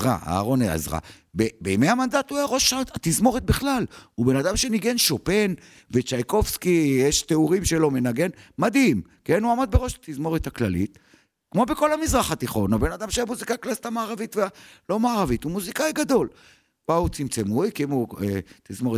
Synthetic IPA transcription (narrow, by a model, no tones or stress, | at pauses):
ʁa̰a̰ːʁo̞nea̰zʁa̰ | bebeimejamand̪at̪uaʁo̞ʃaat̪izmo̞ʁet̪̚biχlalube̞nad̪amʃe̞niɡe̞nʃope̞n | vet͡ʃajko̞fskijeʃt̪euʁimʃelo̞me̞naɡe̞nmad̪imkenuamad̪̚beʁo̞ʃat̪izmo̞ʁet̪haklalḭt̪ | kmo̞beko̞lamizʁaχat̪iχo̞nabe̞nad̪amʃeamuzikaklalit̪amaːʁavit̪vealo̞maːʁavit̪umuzikaiɡad̪o̞l | b̥aut͡simt͡semujkimuet̪izmo̞ʁe